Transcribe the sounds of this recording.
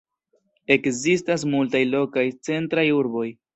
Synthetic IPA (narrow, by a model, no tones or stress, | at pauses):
e̞kzistas̬multajlo̞kajt͡se̞ntɾajuɾbo̞j